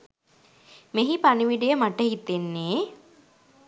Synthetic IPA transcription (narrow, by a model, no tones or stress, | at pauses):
meɦipaniʋiɖijəmaʈəhit̪enːeː